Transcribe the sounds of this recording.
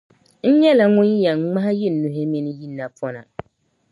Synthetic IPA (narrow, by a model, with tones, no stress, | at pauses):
n̩˦ɲɛ˦la˨ŋʊ̃˦n˦ja˨ŋ˨˦ŋ͡ma˦ha˦jɪ˦˨nː˨u˨ɦɪ˦mi˦nɪ˦ji˦˨nːa˨pʰɔ˦na˨